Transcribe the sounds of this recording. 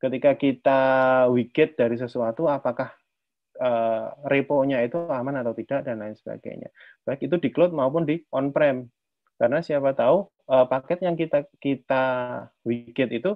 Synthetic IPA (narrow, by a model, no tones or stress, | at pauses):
kət̪ikakit̪awikɪt̪̚d̥aɾis̬əsuat̪uapakah | ərepoɲait̪uamanat̪awt̪id̥aʔdanlaɪnsə̥b̥a̰ɡ̥a̰jɲa̰b̥aɪk̚it̪udiklot̪̚maup̬ʊndiɔnpɾɛm | kaɾənasiapat̪au | əpakɛt̪̚jaŋkit̪akit̪a | wikɪt̪̚it̪u